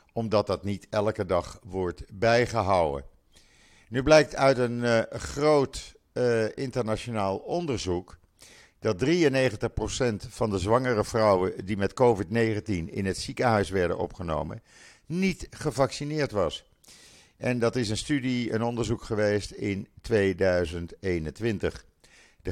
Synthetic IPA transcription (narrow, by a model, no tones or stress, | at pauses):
ɔmdɑt̚dɑtnitɛlkədɑχʋɔɹtbɛjχəɦɑwə̰ | nyblɛjk̚tœɥtənχrowt | ɪntəɹnat͡ʃonaːlˠɔndəɹzuk | d̥ɑt̚driənejχəntəχprosɛntfɑndəzʋɑŋərəvrʌwədimɛtkowvɪtnejχəntinɪ̰nɦətsikəɦœɥsʋɛɹdə̰nɔ̰pχəno̰wmə̰ | nitχəvɑksinɪːɹtʋɑs | ʔɛndɑtɪsənstydiə̰nɔndəɹzukχəʋejstɪntʋejdœɥzəntejnəntʋɪntəχ | də